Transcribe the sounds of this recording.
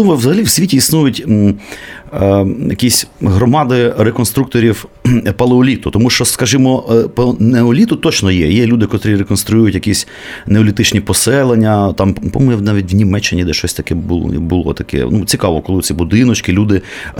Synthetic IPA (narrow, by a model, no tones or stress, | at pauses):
umɔwzɐɦɐlʲiwsʲʋʲitʲiːsnujʊtʲ | jɐkʲisʲɦɾɔmɑd̪ɪɾekɔnst̪ɾuk̚t̪ɔɾʲiwpɐlˠeɔlʲit̪ʊt̪ɔmuʃt͡ʃɔskɐʒɪmɔpɐneɔlʲit̪ʊt̪ɔt͡ʃnɔjɛjɛlʲud̪ɪkɔt̪ɾʲiɾekɔnst̪ɾʊjujʊtʲjɐkʲisʲ | neɔlʲit̪ɪt͡ʃnʲipɔsɛlˠenʲːɐt̪ɑmpɔɔnɛnɑʋʲit̚ʲʋnʲimɛt͡ʃːɪnʲid̪ɛʃt͡ʃɔsʲt̪ɐkɛbʊ̰bʊlˠɔ̰t̪ɐkɛ̰nut͡sʲikɑʋɔkɔlˠɪt͡sʲibʊd̪ɪnɔt͡ʃkɪlʲud̪ɪ